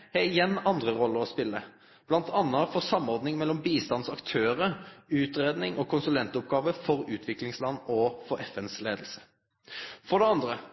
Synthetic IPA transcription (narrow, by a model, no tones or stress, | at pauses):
heːɪjɛnːɑnd̪ʁəɾɔlːəʁɔspɪlːə | b̥lɑnt̪ʰɑnːəfɔsɑmɔʁd̪nɪŋmɛlːɔmbiːst̪ɑnsɑkt̪ʰøːɾəʉːt̪ɾeːd̪nɪŋɔkʰʊnsʉlɛnt̪ʊp̚ɡɑːʋəfɔʁʉːt̪ʰʋɪklɪŋslɑnːɔfɔʁɛfɛnsleːd̪l̩sə̥ | fɔʁd̪ɛɑnd̪ʁə